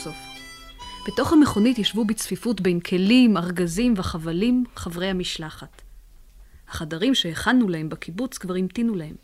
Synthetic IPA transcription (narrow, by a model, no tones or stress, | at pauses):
of | b̥eto̞χhameχo̞nitjaʃvubit͡sfifutbejnkʰe̞limaʁɡazimveaχavalimχavʁejhamiʃlaχat | haχadaʁimʃeeχanːulahe̞mbakʰibut͡skvaʁimtinulahe̞m